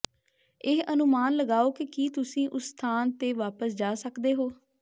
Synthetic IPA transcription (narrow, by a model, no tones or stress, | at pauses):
ɪɦənʊmaːnləɡaːoːkekiːt̪ʊsĩːʔʊst̪ʰaːnt̪eːʋaːpəsd͡ʒaːsəkd̪eːɦoː